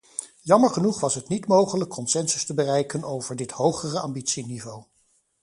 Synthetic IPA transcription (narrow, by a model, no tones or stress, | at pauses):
jɑməɹχənuχʋɑsɦətnitmowχələkʰːɔnsɛnsəstəbərɛjkənowvəɹdɪthowχərəɑ̰mbitsinivow